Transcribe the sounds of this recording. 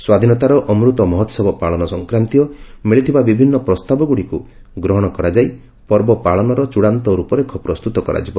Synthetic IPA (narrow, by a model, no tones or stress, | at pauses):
swad̪ʱinɔt̪aɾɔʔɔmɾut̪ɔmɔɦɔt̪sɔbɔpaɭɔnɔsɔŋkɾant̪iɔmiɭit̪ʰibabibʱinːɔpɾɔst̪abɔɡuɽiku | ɡɾɔɦɔɽ̃ɔkɔɾad͡ʒaj | pɔɾbɔpaɭɔnɔɾɔt͡ʃuɽant̪ɔɾupɔɾekʰɔpɾɔst̪ut̪ɔkɔɾa̰d͡ʒibɔ